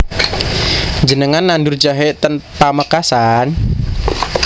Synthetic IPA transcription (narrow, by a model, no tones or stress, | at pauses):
d͡ʒənəŋanːandurd͡ʒaɦeʔt̪ənpaməkasan